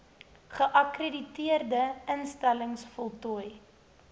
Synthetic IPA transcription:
χəʔɐkreditiərdəənstæləŋsfɔlˠtuəj

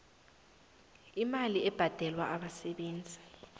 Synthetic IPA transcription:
imaliɛb̥ʱad̥ʱɛlwaʔaɓasɛɓeːnd͡zʱi

